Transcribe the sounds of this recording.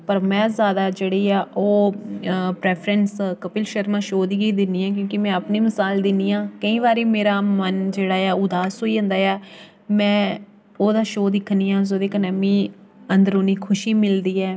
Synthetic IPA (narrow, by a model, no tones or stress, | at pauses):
pəɾmɛ̃ːzjaːd̪aːd͡ʒeːɽiːaːʔoː | pɾɛːpʰɾɛ̃nskəpɪlʃəɾmãːʃoːd̪iːɡiːd̪ɪnːiːãːk̬jõːkɪmɛ̃ːəpniːmɪsaːld̪ɪniːãːkəĩːʋaːɾiːmeːɾaːmənd͡ʒeːɽaːjaːʊd̪aːsɦoːiːə̃nd̪aːjaː | mɛ̃ː | oːd̪aːʃoːd̪ɪkʰːniːãːz̬oːd̪eːkənəmĩːənd̪əɾoːniːkʰʊʃiːmɪld̪iːɛː